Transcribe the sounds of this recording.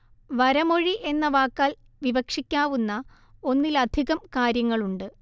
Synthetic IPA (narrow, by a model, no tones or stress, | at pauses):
ʋɐɾɐmo̞ɻiʔe̞nːɐʋaːkːaːl | ʋiʋɐkʂikʲːaːʋunːɐ | o̞nːilɐd̪ʱiɣɐmkaːɾjɐŋːɐɭuɳɖɨ